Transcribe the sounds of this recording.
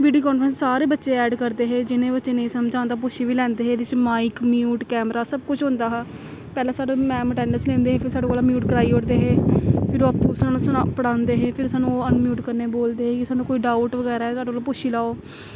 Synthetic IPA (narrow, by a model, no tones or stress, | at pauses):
ʋiːɖijoːkɔːnfʰɾənsːaːɾeːbətːʃeːɛːɖkəɾd̪eːɦeːd͡ʒɪnẽːbətːʃeːneĩːsəmd͡ʒaːnd̪aːpoːʃiːʋiːlɛ̃ːnd̪eːɦeːdɪt͡ʃmaːikmjuːʈkɛːmɾaːsəb̚kʊt͡ʃʰɦʊ̃nd̪aːɦaː | pɛːleːsaːɖeːmɛ̃ːməʈɛːnəlslɛ̃ːnd̪eːɦeːpʰɪɾsaːɖoːkoːlaːmjuːʈkəɾaːiːoɽd̪eːɦeːpʰɪɾoːpːsãːnũːsapəɽãːnd̪eːɦeːpʰɪɾsaːnũːənmjuːʈkəɾneːboːld̪eːɦeːkɪsaːnũːkoːiːɖaːuʈʋəɡɛːɾaːɦɛːsaːɖoolːpoːʃiːlaːoː